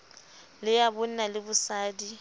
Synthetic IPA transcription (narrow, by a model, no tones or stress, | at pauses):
lɪjabʊn̩nalɪbʊsaːdi